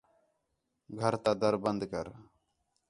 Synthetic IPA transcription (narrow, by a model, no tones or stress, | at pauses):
ɡʱəɾt̪ad̪əɾbənd̪kəɾ